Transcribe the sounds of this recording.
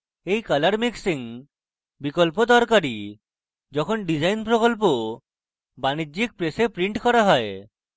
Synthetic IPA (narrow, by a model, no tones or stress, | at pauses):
ejkalaɾmiksiŋ | bikɔlpod̪ɔɾkaɾi | d͡ʒɔkʰɔnɖid͡ʒajnpɾɔkɔlp̬o | banid͡ʒik̚pɾesepɾiɳʈkɔɾaɦɔe